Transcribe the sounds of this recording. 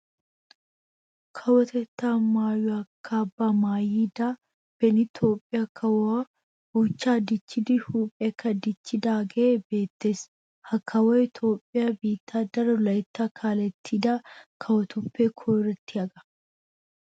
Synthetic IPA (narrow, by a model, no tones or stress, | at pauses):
kʰɐwɔt̪ɛt̪ːaːmaːjɔɐkʰːaːbːaːmaːjiːd̪aː | b̥ɛnɪt̪ʰo̞ːpʼːɪjakʰːɐwa | huːt͡ʃːaːd̪ɪt͡ʃːɪd̪ɪhuːpʼɛkʰːɐd̪ɪt͡ʃːɪd̪aːɡɐeːbe̞ːt̪ːe̞ːs | hɐkʰːɐwoɪt̪ʰo̞ːpʼːɪjabiːt̪ːaːd̪ɐɾɐlɐɪt̪ːaːkʰaːlɛt̪ʰːid̪aːkʰɐwɔt̪ʊpːeːkʰoːɾɐt̪ːɪɐɡɐ̥